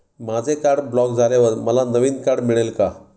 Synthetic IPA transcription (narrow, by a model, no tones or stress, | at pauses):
mad͡zʱekaɾɽblɔkd͡zʱaleʋəɾməlanəʋiːnkaɽmiɭelka